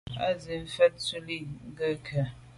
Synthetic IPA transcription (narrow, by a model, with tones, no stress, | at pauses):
a̰˦ze˨ɱ̩˦fɛ˦t̚t͡su˦li˦˨ŋ̩˦ɡə˦kʰə˨